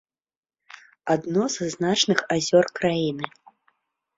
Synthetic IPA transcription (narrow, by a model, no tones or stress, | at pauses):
ad̪nɔzznat͡ʂnɨxazʲɔrkɾajinɨ